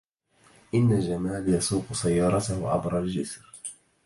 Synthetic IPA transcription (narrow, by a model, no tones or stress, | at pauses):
ʔɪnːald͡ʒamaːljɑsuːqʊsajːɑːɾˤɑt̪ahʊʕa̰bɾˤald͡ʒɪsɾ